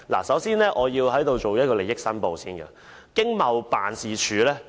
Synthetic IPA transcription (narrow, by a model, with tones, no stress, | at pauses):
la̰˨˩sɐ˨˥wsiː˥nlɛː˥ʔɔː˨˧jiː˧whɐ˨˥jt̪o˨˧wt͡ʃo˨wjɐ˥kɔː˧le˨jɪ˥k̚sɐ˥npo˨˧wsiː˥nɡɐ̰˧˨ | kɪ˥ŋmɐ˨wpa̰ː˨nsiː˨t͡ʃʰyː˨˧lɛː˥